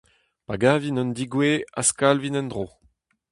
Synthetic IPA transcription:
paɡavinɔ̃nd̪iɡweaskalvinɛ̃nd̪ʁo

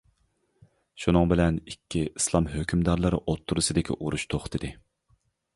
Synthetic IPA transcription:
ʃunɨŋbɪlɛnikʲʰːiislˠɑmɦøkʲʰymd̪ɑɾlˠɨɾɨʔot̪ʰːuɾɨsɨd̪ɪkʲʰḭʔuɾuʃt̪ʰoχt̪ʰɨd̪ɨ

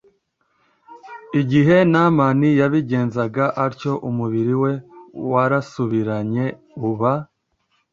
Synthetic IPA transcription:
iɟiɦe̞namanijaβiɟe̞ːnzaɡaʔaɾco̞ʔumuβiɾiwe̞waɾasuβiɾaɲe̞ | uβa

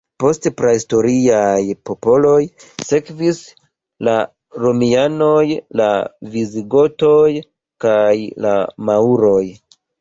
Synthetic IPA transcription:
po̞stpɾaisto̞ɾiajpo̞po̞lo̞jse̞kvis | la | ɾo̞miano̞jla̰viziɡo̞to̞j | kajla̰mauɾo̞j

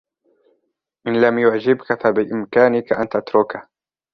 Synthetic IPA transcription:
ʔɪnlamjʊʕd͡ʒɪbkafabɪʔɪmkaːnɪkaʔant̪at̪ɾʊka

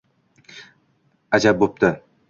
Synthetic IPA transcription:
ad͡ʒap̚bop̚t̪ʰɪ

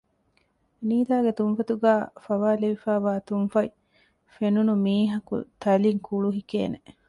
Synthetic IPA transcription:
niːd̪aːɡet̪umfɐt̪uɡæːfɐʋaːleʋifæːʋaːt̪unfɐi | fenunumiːɦɐkṵt̪ɐliŋkuɭuɦikḛːne

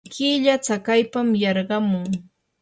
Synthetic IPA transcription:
kʰɪʎat͡sakajpamjɑɾɢɑmʊŋ

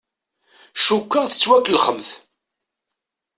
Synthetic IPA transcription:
ʃukːəʁθə̥t͡sːwækːlχəmθ

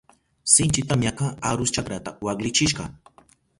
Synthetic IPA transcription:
sɪnt͡ʃɪt̪amɲaqaaɾʊst͡ʃakɾat̪awaklɪt͡ʃɪʃɢɑ

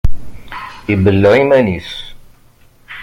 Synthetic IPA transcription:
ibəlːʕimænis

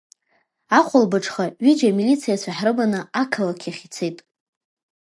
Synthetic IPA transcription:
aχʷʰʊlbɨʈ͡ʂʰʼχaɥid͡ʒamilit͡sʰijat͡sʷʰaħrɨbanɨakʰalakʲʰaχʲit͡sʰejtʼ

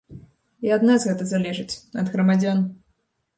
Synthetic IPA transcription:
iad̪nazɣɛt̪ɐzalʲɛʐɨt͡sʲɐd̪ɣɾɐmad͡zʲan

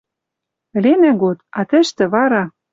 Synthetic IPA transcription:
ɘ̆lenæɡot̪ɑt̪ɘ̆ʃt̪ɘ̆βɑɾɑ

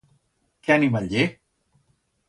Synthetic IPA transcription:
kɛnimaʎe

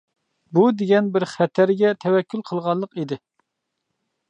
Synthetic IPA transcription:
bud̪eɡʲɛnbɪɾχɛt̪ʰæɾɡʲɛt̪ʰɛwɛkʲːylqʰəlˠʁɑnlˠːəqid̪ɪ

